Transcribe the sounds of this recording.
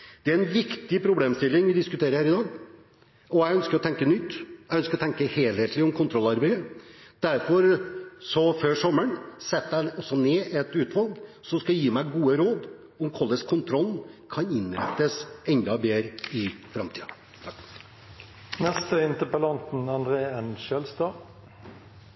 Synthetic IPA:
d̪̥ɛæɾɛnʋɪkt̪ɪpʰɾʊbleːmst̪ɪlːɪŋʋɪd̪ɪskʉt̪ʰeːɾəɾhæːɾɪd̪ɑːɡ | ɔæɡœnskəɾɔt̪ʰɛŋkənʏt̪ːjæɪœnskəɾɔt̪ʰɛŋkəheːlheːt̪ʰlɪɔmkʰʊnt̪ʰɾɔlɑɾbeɪəd̪̥æɾfɔɾsɔføːʂɔməɳsɛt̪ːæɪɔsːɔneːʔɛt̪ʉːt̪ʋɑlɡsɔskɑljiːmæɪɡuːəɾoːd̪ | ɔmkʰɔlːəskʰʊnt̪ʰɾɔlkʰɑnɪnɾɛ̰t̪ːəsɛɲd̪ɑbeːɾəɪfɾɑmt̪ʰiːd̪ | nɛst̪əɪnt̪əpəlɑnt̪n̩ɑnd̪ʁeːənʃɛlst̪ɑː

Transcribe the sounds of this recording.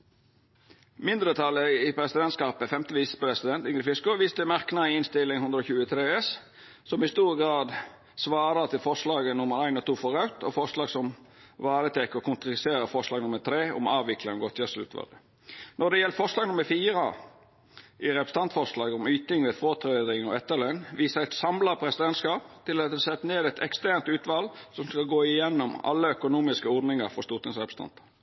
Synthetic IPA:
mɪnd̪ɾət̪ʰɑlːəɪpʰɾɛsɪd̪ɛnskɑːpəfɛmt̪əʋiːsə̥pɔɾɛsɪd̪ɛnt̪ɪŋɾəfɪskɔʋiːst̪əmæɾknɑɪɪnst̪ɪlːɪŋhʉnd̪ɾɔːçʉːət̪ʰɾeːɛs | sɔmɪst̪uːɾɡɾɑːd̪ | sʋɑːɾət̪ʰɪlfɔʁʂlɑːɡənʊməɾæɪnɔt̪ʰuːfɔɾɑʉt̪ʰɔfɔɾʂlɑːɡsɔm | ʋɑːɾət̪ʰɛkːəɔkʊnt̪ɾseːɾəfɔʁʂlɑːɡnʊməɾt̪ʰɾeːʊ̰mɑːʋɪkʰlɑŋɡɔt̪ʰjɑsʉ̰t̪ʋɑ̰d̪ə | nɔd̪ɛjɛlːəfɔɾʂlɑːɡnʊməɾfiːɾə | ɪɾɛpɾəst̪ɑnt̪fɔʁʂlɑːɡɔmyːt̪nɪŋʋeːd̪fʁoːt̪ʰɾeːd̪ɪŋɑɛt̪ːəlɛnʋiːsəɾæɪt̪sɑmlɑʁpʰɾɛsɪd̪ɛnt̪skɑːpt̪ʰɪlɑt̪d̪ɛsɛt̪ːəneːd̪ɛt̪ʰɛkst̪æɾnt̪ʉːt̪ʋɑlsɔmskɑlɡoːɪjɛnːʊmɑ̰lːəœkʊnuːmɪskəɔɾd̪nɪŋəɾfɔɾst̪uːt̪ɪŋsʁɛpɾəst̪ɑ̰nt̪ə̥

